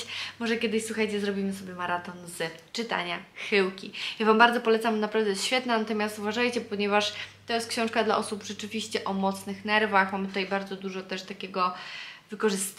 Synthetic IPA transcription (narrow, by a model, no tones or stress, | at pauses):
mɔʐɛkʲjɛd̪ɪɕswuxajt͡ɕɛzɾɔbʲimɘsɔbʲjɛmaɾat̪ɔnzt͡ʂɘt̪a̰ɲaxɘwkʲijavambaɾd̪ɔpɔlɛt̪sambnapɾavd̪ɛɕfʲjɛt̪nanat̪ɔmʲjast̪uvaʐajt͡ɕɛpɔɲɛvaʂt̪ɔjɛst̪kɕɔ̃w̃ʂkad̪laʔɔsupʐ̥ɛt͡ʂɘvʲiɕt͡ɕɛʔɔmɔt̪snɘxnɛɾvaxmamɘt̪ut̪ajbaɾd̪zɔd̪uʐɔt̪ɛʂt̪akʲɛɡɔvɘkɔʐɘst̪